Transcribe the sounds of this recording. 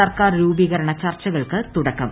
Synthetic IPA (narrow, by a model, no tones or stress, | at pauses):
ɐrkaːrɾuːbiɣɐɾɐɳɐt͡ɕɐrt͡ɕːɐɣɐɭkɨt̪uɽɐkːɐm